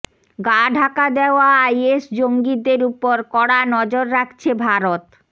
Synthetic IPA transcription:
ɡaɖʱakad̪eoaajesd͡ʑoŋɡid̪eɾupoɾkɔɽanɔd͡ʑoɾːakʰt͡ɕʰebʱaɾot̪

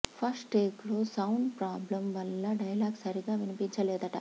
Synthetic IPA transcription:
pʰɐsʈʈeːklo̞ːsɐwɳɖpɾaːblɐmʋɐlːɐɖɐjɐlaːɡsɐɾiɡaːʋinipiɲt͡ʃɐlɛːd̪ɐʈɐ̰

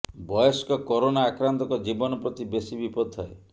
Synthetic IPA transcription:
bɔjɔskɔkɔɾonaːkɾant̪ɔkɔd͡ʒibɔnɔpɾɔt̪ibesibipɔd̪ʱɔe

